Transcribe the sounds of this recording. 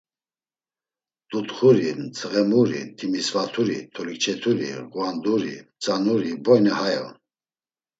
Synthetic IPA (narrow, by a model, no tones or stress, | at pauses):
d̪ut̪χuɾimt͡sʰʁɛmuɾḭt̪ʰimisvat̪ʰuɾḭt̪ʰɔlikt͡ʃʰɛt̪ʰuɾḭʁwand̪uɾḭt͡sʼanuɾibɔjnihajɔ̰n